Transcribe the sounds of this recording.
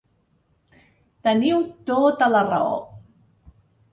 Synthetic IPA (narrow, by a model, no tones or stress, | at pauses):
t̪əniwt̪ot̪ələrao̰